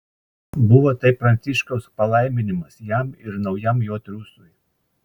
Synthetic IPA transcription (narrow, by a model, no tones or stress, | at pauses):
bʊʋoːt̪ɐɪpɾɐnʲt̪sʲɪʃkɐʊspɐlˠɐˑɪmʲɪnʲɪmɐsjæmɪɾnɒʊjɛmjoːt̪ʲɾʲuːsʊj